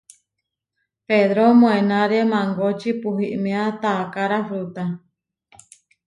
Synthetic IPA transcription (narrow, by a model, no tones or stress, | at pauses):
peðɾomõenaɾemãŋɡot͡ʃipuɦiʔmẽat̪aːkaɾafɾut̪a